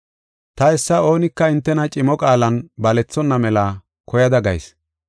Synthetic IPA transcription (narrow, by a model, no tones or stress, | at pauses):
t̪ɐɛsːɐo̞ːnɪkːɐɪnt̪ːɛnɐt͡ʃʼɪmɔkʼaːlɐnbɐlɛt͡sːɔnːɐmɛlɐ | kɔjɐd̪ɐɡɐ̰js